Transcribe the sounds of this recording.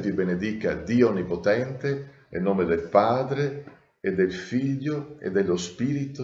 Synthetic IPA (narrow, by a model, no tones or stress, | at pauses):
vibened̪ika̰d̪iːoɔnːipot̪ɛnt̪e | ḛnoːmed̪elpaːd̪ɾe | ed̪ːelfiʎːʊḛd̪ːelːospiːɾit̪ʊ